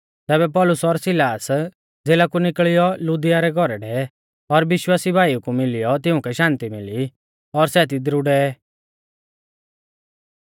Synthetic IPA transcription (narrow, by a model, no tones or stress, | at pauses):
t̪ɛːβɛp̬ɔlʊsɔɾsɪlaːs | d͡zeːlakunɪkɭɪjɔlud̪ɪjaɾɛɡʱɔɾɛɖɛ | ɔɾʋɪʃwaːsibʱaːiukumɪlɪjɔt̪ɪʊ̃kɛʃãːnt̪imɪli | ɔɾsɛt̪̬id̪ɾʊɖɛ